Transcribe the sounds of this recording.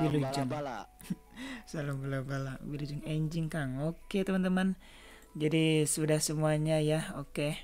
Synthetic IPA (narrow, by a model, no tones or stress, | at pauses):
wilud͡ʒuŋ | salambulabalawilud͡ʒʊŋeɲd͡ʒɪŋkaŋoket̪əmant̪əman | d͡ʒadisudahsəmuaɲajaoke